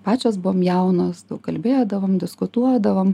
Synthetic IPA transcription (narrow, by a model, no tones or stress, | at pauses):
pɑːt͡ʃʲoːsbʊʋoːmjɛʊnoːsd̪ɐʊkɐlʲbʲeːd̪ɐʋoːmdʲɪskʊt̪uɔd̪ɐʋom